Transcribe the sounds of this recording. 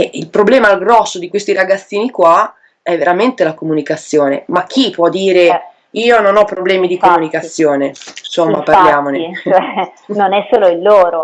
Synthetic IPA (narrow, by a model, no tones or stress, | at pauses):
ɛilpɾoblɛːmalɡɾɔsːod̪ikwest̪iɾaɡat̪sːiːnikwa | ɛvːeɾament̪elakomunikat̪sːjoːnḛmak̟ʰːipwɔd̪ːiːɾe | iːononɔpːɾoblɛːmid̪ikomunikat̪sːjoːnensomːaparljaːmont͡ʃoɛnonɛsoːloilːoːɾo